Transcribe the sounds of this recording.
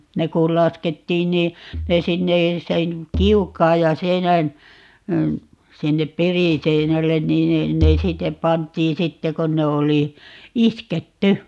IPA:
ne kul̆ lɑsketːiːn niː ne sinːe sen kiukˑɑːj jɑ seinæn sinːep periˑseinælːen niːn ne ne sitːep̆ pɑntˑiː sitːe kon ne oli isketːy

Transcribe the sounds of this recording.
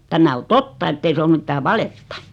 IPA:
tæmæ o totːɑ etːei se om mitːæː ʋɑletːɑ

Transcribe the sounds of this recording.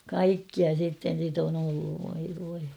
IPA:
kɑikːiɑ sitːen̞ sit on olːuʋ ʋoi ʋoi

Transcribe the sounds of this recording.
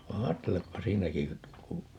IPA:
ʋɑ ɑːtːelepːɑ siːnæki ku

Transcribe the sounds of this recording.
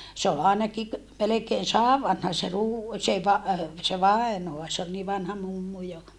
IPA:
se ol ɑˑenɑki k melekeːn sɑːʋ ʋɑnhɑ se ruː se ʋɑ se ʋɑenoɑ se ol niː ʋɑnhɑ mumːu jo

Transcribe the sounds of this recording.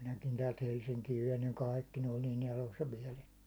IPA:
minækin tæːlt helsiŋkiːʋ ʋein niːŋ kɑˑikːi ne olʲ niːn elosːɑ ʋiɛl etːæ

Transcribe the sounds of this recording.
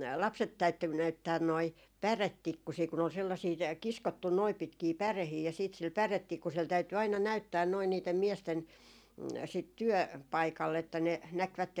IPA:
lɑpset tæytːy næytːæːn noi pæretːikːusiː kun ol selːɑsiː tæ kiskotːun noip̆ pitkiː pærehiː jɑ siːt sil pæretːikːusel tæyty ɑinɑ næytːæːn noi niːtem miesten sit tyø pɑikɑlːe etːæ ne nækʋætːen

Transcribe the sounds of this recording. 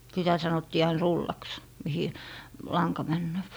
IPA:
sitæ sɑnotːiː ɑin rulːɑks mihi lɑŋkɑ mænːøːp

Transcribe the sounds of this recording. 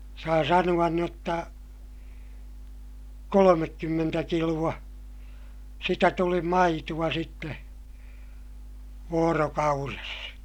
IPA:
sɑː sɑnuɑn n otːɑ kolomekːymːentæ kiluɑ sitæ tuli mɑituɑ sitːe ʋoːrokɑures

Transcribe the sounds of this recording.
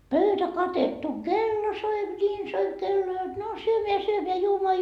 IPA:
pøytæ kɑtetːu kelːo soip nʲiːn soip kelːo jot no syømeæ syømeæ juomoɑ

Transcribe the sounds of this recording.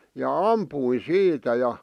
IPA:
jɑ ɑmpuin siːtæ jɑ

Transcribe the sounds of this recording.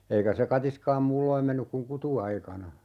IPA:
eikæ se kɑtiskɑːm muːlːoim menːyk kuŋ kutuɑikɑnɑ

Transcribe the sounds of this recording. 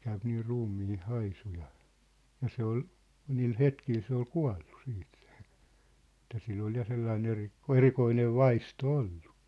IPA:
kæyp niː ruːmːiː hɑisu jɑ jɑ se ol niːl hetkil se ol kuɑ̝lːu siːt se̥ etˑæ silː ol jɑ selːɑin eri erikoineʋ̆ ʋɑisto olːu̥

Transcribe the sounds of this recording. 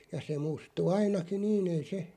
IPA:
jɑ se mustu ɑinɑkin̆ niːn ei se

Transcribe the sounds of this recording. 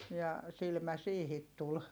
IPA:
jɑ silmæ siːhit tul

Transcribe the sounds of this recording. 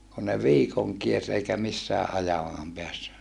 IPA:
ku ne ʋiːkoŋ kiers eikæ misːæːʔ ʔɑjɑmɑːm peæsːy

